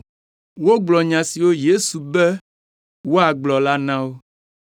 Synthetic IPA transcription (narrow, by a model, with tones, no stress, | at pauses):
wo˦ɡ͡blɔ˨ɲã˨si˨wo˦je˦su˨bɛ˦ | wo˦a˨ɡ͡blɔ˨la˦nã˦wo˦